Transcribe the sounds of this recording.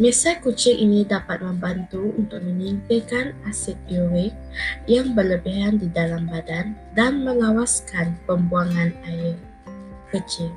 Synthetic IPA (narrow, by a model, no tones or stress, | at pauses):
mesakut͡ʃɪŋʔinĩdapat̪̚mə̃mbant̪uunt̪ʊk̚mə̃nint̪ekanasɛt̪̚iuɾɪk̚jaŋbərləbiɦandidalambadan | danmə̃lawaskanpəmbuaŋanaɪr | kət͡ʃɪŋ